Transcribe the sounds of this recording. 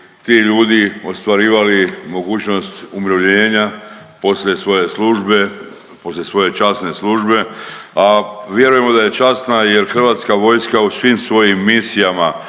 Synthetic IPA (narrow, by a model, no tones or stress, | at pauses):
t̪iːʎuːd̪io̞st̪ʋaɾiːʋalimo̞ɡuːt͡ʃno̞st̪umɾoʋʎeːɲa | po̞slʲje̞sʋo̞je̞sluʒbe̞ | po̞slʲesʋo̞je̞t͡ʃasne̞sluʒbe̞aʋje̞ɾujemo̞d̪aje̞t͡ʃasnaje̞ɾxr̩ʋaːt̪skaʋo̞jskausʋimsʋo̞jimːisijama